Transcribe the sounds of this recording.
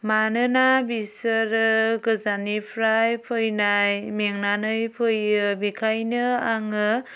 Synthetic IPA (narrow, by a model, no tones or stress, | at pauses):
manɯnabisɯɾɯɡɯzanipʰɾajpʰɯjnajmeŋnanɯjpʰɯjɯbikʰajnɯaŋɯ